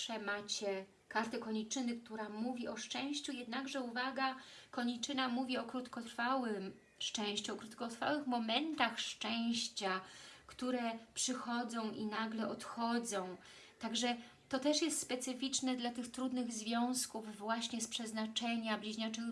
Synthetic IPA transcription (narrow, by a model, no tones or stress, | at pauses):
ʂɛmat͡ɕɛ | kaɾt̪ɛkɔɲit͡ʂɘnɘk̚t̪uɾamuvʲiɔʂt͡ʂɛ̃w̃ɕt͡ɕujɛd̪naɡʐɛuvaɡakɔɲit͡ʂɘnamuvʲiɔkɾut̪kɔt̪ɾfawɘm | ʂt͡ʂɛ̃w̃ɕt͡ɕuɔkɾut̪kɔt̪ɾfa̰wɘxmɔmɛnt̪axʂt͡ʂɛw̃ɕt͡ɕakt̪uɾɛpʂɘxɔd̪zɔ̃w̃ʔinaɡlɛɔt̪xɔd̪zɔ̃w̃ | t̪aɡʐɛ | t̪ɔt̪ɛʂjɛst̪spɛt̪sɘfʲit͡ʂnɛd̪lat̪ɘxt̪ɾud̪nɘɣzvʲjɔ̃w̃skuvːwaɕɲɛspʂɛznat͡ʂɛɲablʲiʑɲat͡ʂɘ